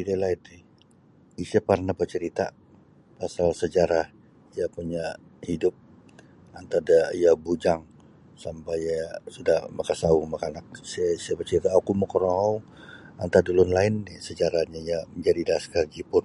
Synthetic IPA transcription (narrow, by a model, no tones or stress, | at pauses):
idalait̪ɪ | isaparnabərt͡ʃəɾit̪a̰ | pasalsəd͡ʒaɾah | ijapuɲahidʊp̚ | ant̪adaijabud͡ʒaŋ | sampaasudahmakasaumakanak̚ssabərt͡ʃəɾit̪aakuməkɔɾɔɦɔwa̰nt̪adulʊnlaɪnːɪsəd͡ʒaɾahɲaijaməɲd͡ʒadidaskaɡipʊn